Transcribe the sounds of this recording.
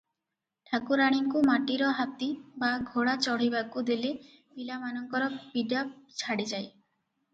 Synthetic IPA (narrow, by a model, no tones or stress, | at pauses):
ʈʰakuɾaɽ̃iŋkumaʈiɾɔɦat̪ibaɡʱoɽat͡ʃɔɽ̤ibakud̪ile | pilamanɔŋkɔɾɔpiɖat͡ʃʰaɽid͡ʒaj